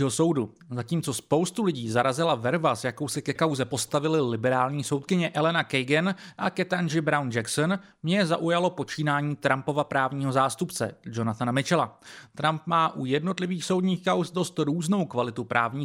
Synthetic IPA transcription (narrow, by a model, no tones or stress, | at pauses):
ɦoso̞wdu | zaciːmt͡so̞spo̞wst̪ulɪɟiːzaɾazɪlavɛɾvasjako̞wsɪkɛkawzɛpo̞st̪avɪlɪlɪbɛɾaːlɲiːso̞wt̪̚kɪɲɛʔɛlɛnakɛjɡɛnʔakɛt̪anʒɪbɾawnd͡ʒɛkson | mɲɛza̰ʔujalo̞po̞t͡ʃiːnaːɲiːt̪ɾampo̞vapɾaːvɲiːɦo̞zaːst̪upt͡sɛ̰d͡ʒo̞nat̪anamɪt͡ʃɛlat̪ɾampmaːʔujɛdno̞t̪lɪviːxso̞wdɲiːxkawsdo̞st̪ɾuːzno̞wkvalɪt̪upɾʔa̰ːvɲiː